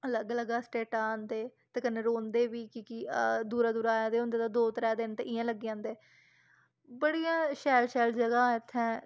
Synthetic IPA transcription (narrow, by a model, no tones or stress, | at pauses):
ələɡələɡaːsʈeːʈaːnd̪eːt̪eːkənːeːɾoːnd̪eːʋiːkiːkid̪uːɾaːd̪uːɾaːjãːd̪eːɦʊ̃ːnd̪eːt̪ãːd̪oːt̪əɾɛːd̪ɪnt̪eːʔɪjãːləɡeãːnd̪eː | bəɽijãːʃɛːlʃɛːld͡ʒəɡãːɪt̪ʰːɛ̃ː